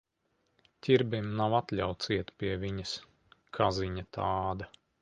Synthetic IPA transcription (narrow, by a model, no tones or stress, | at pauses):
tʲiɾbimnawat̪lʲawt̪siɛt̪pʲiɛvʲiɲəs | kʰaziɲat̪ʰaːd̪ɐ